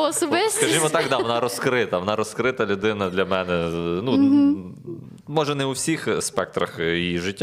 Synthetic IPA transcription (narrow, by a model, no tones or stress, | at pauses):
ɔsɔbɪkɐʒimɔt̪ɑkd̪ɑʋɔnɑɾɔskɾɪt̪ɐʋɔnɑɾɔskɾɪt̪ɐlʲʊd̪ɪnɐd̪lʲɐmɛnɛnu | mɔʒɛnɛʊwsʲixspɛk̚t̪ɾɐxiʒɪtʲː